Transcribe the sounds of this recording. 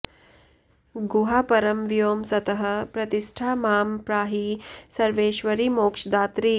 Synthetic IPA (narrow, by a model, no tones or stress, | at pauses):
ɡuɦaːpɐɾɐmʋijoːmsɐt̪ɐɦɐ̆pɾɐt̪iʃʈʰaːmaːmpɾaːɦisɐɾʋeːʃʋɐɾiːmoːkʂd̪aːt̪ɾiː